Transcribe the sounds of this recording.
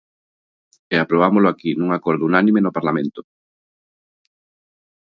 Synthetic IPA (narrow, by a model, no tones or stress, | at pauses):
eapɾoβamolʊakinũŋakɔɾðʊunanĩmenopaɾlamẽnt̪ʊ